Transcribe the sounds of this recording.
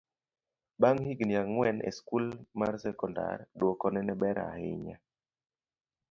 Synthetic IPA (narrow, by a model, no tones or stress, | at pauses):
baŋhiɡnjaŋŋwɛnʔɛ̰skulmarsɛkɔnda̰rdɔkɔnɛnɛbɛɾa̰hɪ̰ɲa̰